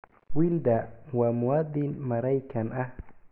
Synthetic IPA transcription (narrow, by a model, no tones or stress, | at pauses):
wiːld̪ɐwɑːmʊwaːd̪ɪnmɐɾɛjkʰɐnʔɐh